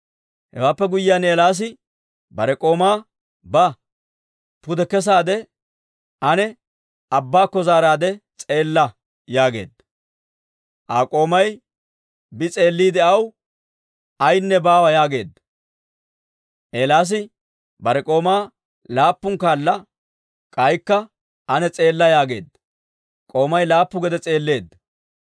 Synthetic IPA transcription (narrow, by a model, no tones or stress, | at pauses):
hɛ̰waːpːɛɡʊjɪjaːneːlaːs̬ɪ | bɐɾɛkʼo̞ːmaː | bɐ | pʊd̪ɛkːɛs̬aːd̪ɛ | ʔɐnɛ | ɐbːaːkːɔzaːɾaːd̪ɛt͡sʼe̞ːlːɐ | jaːɡe̞̰ːd̪ɐ | ʔaːkʼo̞ːmɐj | bɪt͡sʼe̞ːlːiːd̪ɛʔɐw | ʔɐjnːɛbaːwɐjaːɡe̞ːd̪ːɐ | ʔeːlaːs̬ɪ | bɐɾɛkʼo̞ːmaː | laːpːʊŋkaːlːɐ | kʼɐjkːɐ | ʔɐnɛt͡sʼe̞ːlːɐjaːɡe̞̰ːd̪ː | kʼo̞ːmɐjlaːpːʊɡɛd̪ɛt͡sʼe̞ːlːe̞ːd̪ː